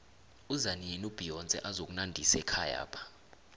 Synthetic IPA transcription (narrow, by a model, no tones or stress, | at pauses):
uzanienub̥ʱijɔnt͡sʼɛ̰ʔazok̬ʼunandʱisɛkʰaja̰ːpʰḁ